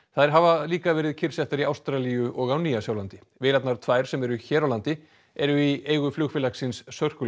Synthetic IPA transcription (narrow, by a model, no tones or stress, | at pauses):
θaðɛɾ̥ɦavaliːkavɛːɾɪðcʰɪɾ̥sɛht̪aɾiawst̪ɾalijʏʔɔɣawniːasjaːwlant̪ɪ | vɪlat̪naɾ̥t̪ʰvaːjɾ̥sɛmɛɾʏçɛːɾawlant̪ɪ | ɛɾʏieːjɣʏflʏːɣfɪlaksɪnsːœr̥kʏ